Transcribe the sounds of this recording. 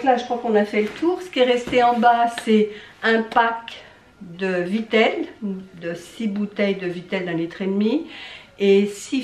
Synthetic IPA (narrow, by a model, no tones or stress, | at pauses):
klaʒəkχwakɔ̃nafɛlət̪ʰuːʁsə̥kʲiɛʁɛst̪eɑ̃basɛɛ̃pak | d̪əvit̪ɛld̪əsibut̪ɛjd̪əvit̪ɛld̪ɛ̃lit̪χed̪mi | esi